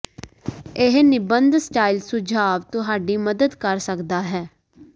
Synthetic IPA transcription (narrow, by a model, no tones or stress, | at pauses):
ɪɦnɪbənd̪sʈaːilsʊd͡ʒʱaːʋt̪ʊɦaːɖiːməd̪əd̪kəɾsəkd̪aːɦɛː